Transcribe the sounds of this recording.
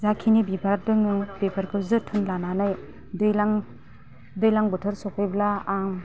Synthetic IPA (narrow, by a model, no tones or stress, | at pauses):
zakʰinibibaɾadɯŋɯbepʰaɾkʰɯwzɯtʰɯnlananaj | dɯjlaŋ | dɯjlaŋbɯtʰɯɾsɔkʰɯjblaːŋ